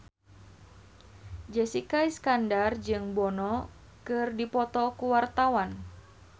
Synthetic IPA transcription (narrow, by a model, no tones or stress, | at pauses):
d͡ʒɛsikaiskandard͡ʒɨŋbɔnɔ | kɨrdipɔt̪ɔkuwart̪awan